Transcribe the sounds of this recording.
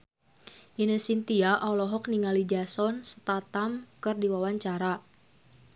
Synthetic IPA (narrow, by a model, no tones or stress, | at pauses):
ʔinəsint̪iaʔawlɔɦɔk̚niŋalid͡ʒasɔnsə̥t̪at̪amkɨrdiwawaɲt͡ʃaɾa